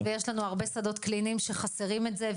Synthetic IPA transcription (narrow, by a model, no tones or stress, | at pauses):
vejeʃlanuaʁbe̞sad̪o̞tklinimʃe̞χaseʁimetze